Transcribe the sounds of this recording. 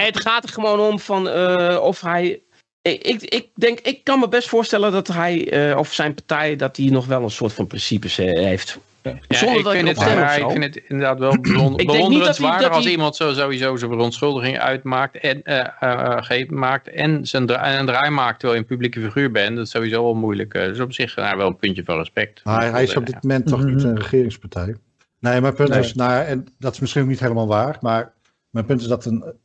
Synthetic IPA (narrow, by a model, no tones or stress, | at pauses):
ɛətxaːtərχəʋoːnomfɔnəɔfɦɛj | ɪkɪk̚dɪŋkɪkːɑnməbɛstfʊːɹstɛlˠəndɔtɦɛjɔfsɛjnpaɹtɛjdɔt̚dinɔxʋɛlˠənsʊːtfɔnprɪnsipəseft | jasɔndəɪkdɔtɪndɪsɛməɪkfɪndɪtɪndəɹdaːtʋɛlˠbnɪkbəɪŋonndiərədsʋaːɹdəxɑlsimɑntsozowizowzəfərɔntsχɵlˠdəχɪŋœ̰ɥtmaːk̚tɛn | χejpmaːk̚tɛnzəndɛnəndraːjmaːk̚tʋɛlˠənpyblikəfiχyːɹbɛndɑtɪ̥sowʋizowʋɛlˠmujlə̰kə̰dsɔpsɪχa̰ɹʋɛlˠənpʏntjəvɑ̰nrəspɛk̚tmaɦɛjɪsɔb̚dɪtmomɛntːɔχnitənrəχɪːrɪŋspaɹtʰɛj | nejmɛjnpøntɪsnojaɛndɔtɪ̥smɪsχinoknitɦejləmaːlˠʋaːɹmaːɹ | mɛjnpʏntɪsdɔtən